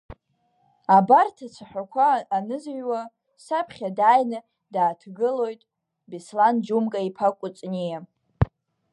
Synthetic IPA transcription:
abartʰat͡sʷʰaħʷᶣakʷʰaːnɨzɥwa | sapʰχʲadaːjnɨ | daːtʰɡɨlo̞jtʼ | bisland͡ʒumɡʼaipʰakʷʼʊt͡sʼnija

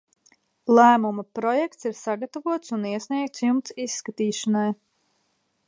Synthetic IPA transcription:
lˠæːmumapɾɔjɛkt̪siɾsaɡat̪avuɔt̪suniɛsniɛk̚t̪sjumt̪sisːkat̪iːʃanaj

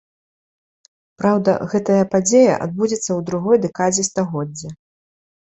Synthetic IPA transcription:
pɾawd̪ɐ̰ɣɛt̪ɐjɐpad͡zʲejɐ̰ʔa̰d̪̚bud͡zʲɛt̪sːɐwd̪ɾuɣɔjd̪ɛkad͡zʲɛst̪aɣɔd͡zʲːɛ

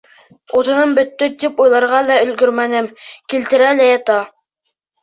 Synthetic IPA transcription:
ut̪ɤ̆nɤmbɵ̆t̪ːɵt̪ipujlˠɑɾʁɑlæɵ̆lɡɵɾmænɘmkilt̪ɘ̆ɾælæjɑt̪ɑ

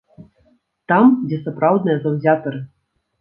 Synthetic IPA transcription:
t̪ɑmdʲesɐprɑwd̪nɨjəzɐwzʲɑt̪ɤ̆r

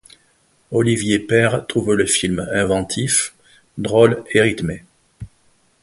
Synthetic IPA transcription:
ɔlivjepɛʁt̪χuvləfilmɛ̃vɑ̃t̪ʰif | d̪ʁɔleʁit̪me

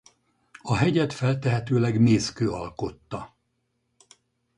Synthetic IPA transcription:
ɒɦɛɟɛt̪fɛlt̪ɛɦɛt̪øːlɛɡmeːskøːɒlko̞t̪ːɒ

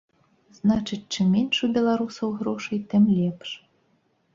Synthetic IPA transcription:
z̥nat͡ʂɨt͡sʲt͡ʂɨmːʲɛnʂubʲɛlˠaɾusɐwɣɾɔʂɨjt̪ɨmlʲɛpʂ

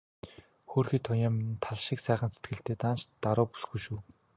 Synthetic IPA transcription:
xoːrxiːt̪ʰɔjaːmnt̪ʰaɮʃɪ̆ksæːχə̆nset̪ɡɘ̆ɬt̪eːt̪aːnt͡ɕt̪aɾʊːpu̥sɡujʃuː

